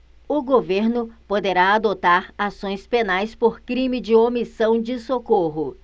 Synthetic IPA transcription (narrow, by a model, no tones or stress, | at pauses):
ʊɡoveɾnʊpod̪eɾaad̪ot̪aɾasõj̃spenajspoɾkɾĩmɪd͡ʒɪomisɐ̃w̃d͡ʒɪsokoɦʊ